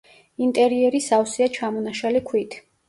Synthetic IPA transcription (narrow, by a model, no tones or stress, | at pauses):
int̪ʼɛɾiɛɾisawsiat͡ʃʰamɔnaʃalikʰwit̪ʰ